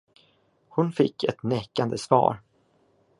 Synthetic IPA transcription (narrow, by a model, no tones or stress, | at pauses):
hʊnfɪkːɛt̪nɛːkand̪əsvɑ̰ːɾ